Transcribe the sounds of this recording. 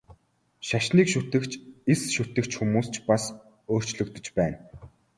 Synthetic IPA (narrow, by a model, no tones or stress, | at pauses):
ʃaʃniːkʃut̪ɘ̆kt͡ɕesʃut̪ɘ̆kt͡ɕxumuːst͡ɕʰpas | oːr̥t͡ɕɮɵ̆kt̪ɵ̆t͡ɕpæːn